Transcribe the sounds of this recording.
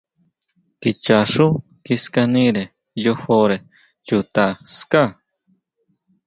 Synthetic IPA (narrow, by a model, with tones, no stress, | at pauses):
ki˧t͡ʃa˨ʂu˦ | ki˧ska˧nĩ˦ɾe˨ | jo˧ho˧ɾe˨ | ju˧t̪a˧ska˦˨